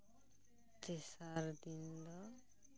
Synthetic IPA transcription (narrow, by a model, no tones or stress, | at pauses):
tesaɾd̪ind̪ʌ